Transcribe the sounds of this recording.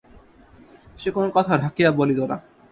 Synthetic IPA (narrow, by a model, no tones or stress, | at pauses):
ʃekonokɔt̪ʰaɾʱakijabolit̪ona̰